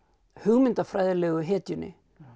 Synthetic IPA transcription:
hʏɣmɪnt̪afɾajðalɛɣʏɦɛːt̪jʏnːɪ̰

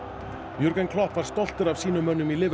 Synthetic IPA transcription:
juɾkankʰlɔhpvaɾ̥st̪ɔl̥t̪ʏɾav̥siːnʏmœnːʏmilɪːv

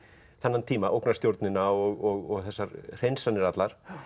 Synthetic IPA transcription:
θanːant̪ʰiːmaʔowknast̪jowɾt̪nɪnaɔɣɔɣɔɣθɛsːaɾr̥ejnsanɪɾat̪laɾ̥

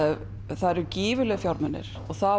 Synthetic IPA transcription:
θaðɾʏciːvʏlɛɣfjawɾmɛnːɪ̰ɾ̥ɔɣθa

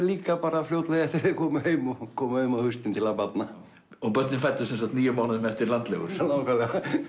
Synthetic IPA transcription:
liːkapaːɾafljowt̪lɛɣaθeðɪkʰɔːmʏhejmɔkʰɔːmʏhejmahʏst̪ɪnt̪ʰɪlapat̪na | ɔɣpœt̪nɪnfajt̪ːʏsɛnsat̪niːjʏmaːwnaðmɛft̪ɪɾlant̪lɛ̰ɣʏ̰ɾ̥lawkvalɛɣa

